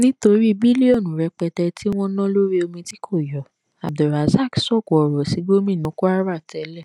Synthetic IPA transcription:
nĩ˦to˧ɾi˦i˧˨bi˦li˦ɔ˦˨nũ˨ɾɛ˧k͡pɛ˧tɛ˧ti˦w̃ɔ̃˦nã˦lo˦ɾi˦o˧mĩ˧ti˦kʰo˦˨jɔ˨ | a̰˨b̚dɔ˨ɾa˨za˦˨ksɔ˦˨kɔ˨ɾɔ˨si˨˦ɡo˦mĩ˦˨nũ˨˦ko˦a˦ɾa˦˨tɛ˨˦lɛ˦˨

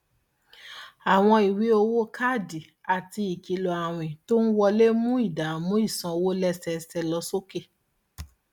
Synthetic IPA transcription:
a˨w̃ɔ̃˧i˨wi˨˦o˧wo˦kʰa˦˨di˨ | a˨ti˧i˨ki˨lɔ˨a˨w̃ĩ˨to˦n̩˦wɔ˧le˦mũ˦i˦˨da˨mũ˦i˦˨sã˧o˧wo˦lɛ˦sɛ˧sɛ˧lɔ˧˦so˦ke˦˨

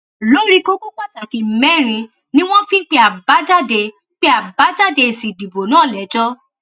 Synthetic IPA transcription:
lo˦ɾi˦ko˦ko˦k͡pa˦ta˨ki˨mɛ˦˨ɾ̃ĩ˧ | nĩ˦w̃ɔ̃˦fĩ˦k͡pe˧˦a˨ba˨˦d͡ʒa˦de˧ | k͡pe˦a˨ba˨˦d͡ʒa˦˨de˧˨si˨di˨bo˨nãː˦˨lɛ˨˦d͡ʒɔ˦

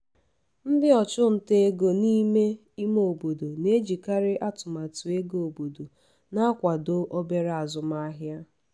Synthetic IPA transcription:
m̩˦dɪ˦ɔ˨t͡ʃʊ˦n̩˨te˦e˦ɡo˨ni˦me˦ | i˦mo˨bo˨do˨ne˦d͡ʒi˨ka˦ɾɪ˦ʔa˦tʊ˨ma˨tʊ˨e˦ɡo˨bo˨do˨ | na˦kʷa˨do˦ʔo˦be˦ɾa˨zʊ˨m˦a˦ɦja˦

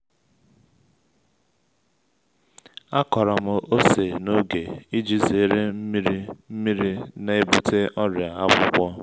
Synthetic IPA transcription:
a˦kɔ˨ɾɔ˨mʊ˦o˦se˨no˦ɡe˨i˦d͡ʒi˦ze˨˦ɾe˦m̩˦mi˦ɾi˦m̩˦mi˦ɾi˦na˨e˦bu˦˨tʰe˦ʔɔ˦ɾja˨a˦bʷʊ˦kʷɔ˦

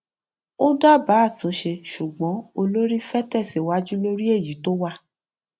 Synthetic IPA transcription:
o˦da˦ba˨˦˨tũ˨˦ʃe˧ʃu˨ɡ͡bɔ̃˨˦o˧lo˦ɾi˦fɛ˦tɛ˦˨se˨wa˨˦d͡ʒu˦lo˦ɾi˦e˦˨ji˨˦to˦wa˦

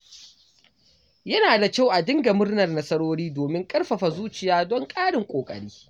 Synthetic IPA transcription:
jɐ˦naː˨da˨kʲa˦˨wʔa˨dɪ˦ŋɡa˨mʊ˦rnɐ˨rnɐ˦sɐ˦ɽoː˦ɽiː˦doː˨mɪ˦ŋkʼɐ˦rɸɐ˨ɸa˨zuː˦t͡ʃɪ˨jaː˦dɔ˦ŋkʼaː˦ɽɪ˨ŋkʷʼoː˨kʼɐ̰˨ɽiː˦

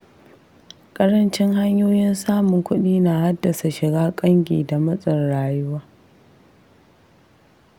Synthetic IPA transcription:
kʼɐ˦ɽɐ˦nt͡ʃɪ˦ŋɦa˦ɲjoː˦jɪ˦nsaː˦mʊ˨ŋkʷʊ˦ɗiː˦naː˨ha˦dːɐ˨sa˨ʃɪ˨ɡaː˦kʼɐ˦ŋɡʲḛː˨da˨mɐ˦sʼɪ˨nɽaː˨jʊ˦waː˦

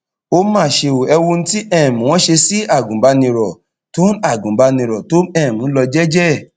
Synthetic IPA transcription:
o˦mãː˦˨ʃe˧o˨ɛ˧wo˧n̩˦ti˦ɛ̃˦˨mũ˨w̃ɔ̃˦ʃe˧si˦a˦˨ɡũ˨ba˧˦nĩ˧ɾɔ˨ | to˦n˦a˦˨ɡũ˨ba˧nĩ˧ɾɔ˨to˨˦ɛ̃˦˨mũ˨˦lɔ˧d͡ʒɛ˦d͡ʒɛ˦˨

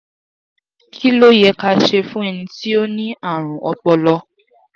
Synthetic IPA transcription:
kʰi˦lo˦jɛ˧ka˧ʃe˧fũ˦ɛ˧nĩ˧ti˦o˦nĩ˦a˦˨ɾ̃ũ˨ʔɔ˧k͡pɔ˧lɔ˧

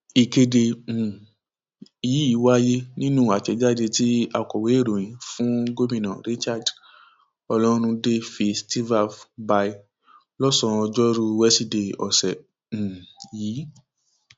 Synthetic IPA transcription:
i˨ke˧dẽ˧˨ | ji˨˦i˨˦wa˦je˦nĩ˦nũ˦˨a˨t͡ʃɛ˧d͡ʒa˦˨de˧ti˦a˧kɔ˨we˨˦e˦˨ɾo˨j̃ĩ˨˦fũ˦ɡo˦mĩ˦nã˨ɾi˦t͡ʃa˦˨d | ɔ˧lɔ˦ɾ̃ũ˧de˦fi˧sti˦va˦˨fba˧i˧ | lɔ˦sɔ̃˧d͡ʒɔ˦ɾu˦wɛ˦si˦de˨ɔ̰˨sɛ̃˨ | jiː˨˦

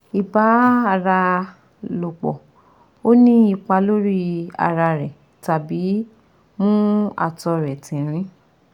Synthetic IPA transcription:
i˨ba˨˦a˧˨ɾa˧ | lo˨k͡pɔ̰˨ | o˦nĩ˦i˦˧k͡pa˧lo˦ɾi˦a̰˧ɾa˧ɾɛ˨ | ta˨bi˨˦ | mũ˦a̰˨tɔ˧ɾɛ˨tĩ˨ɾ̃ĩ˦

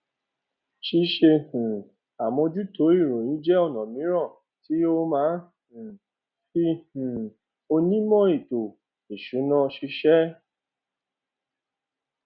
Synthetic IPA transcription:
ʃi˧ʃe˧h̩˨ | a˨mɔ̃˧d͡ʒu˦to˨˦i˦˨ɾõ˨nĩ˨˦d͡ʒɛ˦ɔ˦˨nɔ̃˨mĩ˨˦ɾã˦˨ | ti˨˦o˦mãː˦hũ˨ | fi˧hũ˨ | o˧nĩ˦mɔ̃˦i˦˨to˨ | i˨ʃu˨˦nã˧˦ʃi˧ʃɛ˦

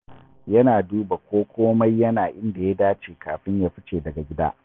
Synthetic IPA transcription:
jɐ˦naː˨duː˦ba˨kʷoː˦kʷoː˦mɐ˦jːɐ˦naː˨ʔɪ˦nda˨ja˦daː˦t͡ʃeː˨kaː˨ɸɪ˦ɲjaː˦ɸɪ˦t͡ʃeː˨dɐ˨ɡa˨ɡʲɪ˦da̰ː˦ʔ

